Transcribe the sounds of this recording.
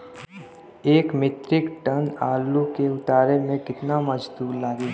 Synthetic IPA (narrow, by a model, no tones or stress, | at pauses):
eːkmɪt̪ɾɪkʈənaːlːukeʊt̪aːɾemẽkɪt̪namɐd͡ʒd̪uːɾlaːɡiː